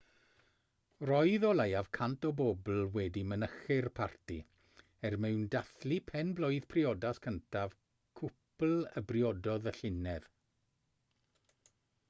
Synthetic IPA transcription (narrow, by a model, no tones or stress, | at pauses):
rɔɨðɔlajav̥kʰantɔbobl̩ˠwɛdimənəχɪrpʰarti | ɛrmɛwndaθlipʰɛnbloɨðpʰrɪɔdaskʰəntʰav | kʰʊpl̩ˠəbrjɔdɔðəɬɪnɛð̥